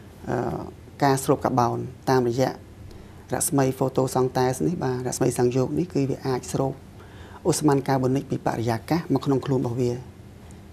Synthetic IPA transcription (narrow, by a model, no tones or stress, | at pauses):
ʔə̰ː | kaːsroːp̚ka̰ɓaɔnt̪aːmrɔjɛ̆əʔ | rɛ̰̆ʔsməjfoːt̪oːsɑŋt̪aɛsnihɓaːrɛ̰ʔsməjsaŋjoːk̚nihkɨːʋiəʔaːc̚sroːp̚ | ʔosmaːnkaːɓonɨc̚piːpa̰ʔrejaːkaːhmakʰnoŋkʰluənɓɑhʋiə